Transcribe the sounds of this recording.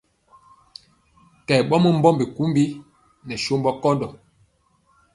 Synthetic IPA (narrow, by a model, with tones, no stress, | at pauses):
kɛ˨ɓɔ˦mə˦m̩˦bɔ˦mbi˨ku˨˦mbi˦ | nɛ˨ʃo˦mbɔ˦kɔ˦ndɔ˨